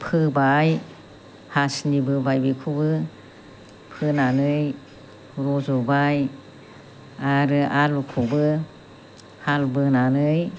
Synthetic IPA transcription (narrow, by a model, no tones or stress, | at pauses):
pʰɯbaj | hasnibɯbajbikʰubɯ | pʰɯnanɯj | ɾɔzɔbaj | aɾɯʔalukʰubɯ | halbɯnanɯj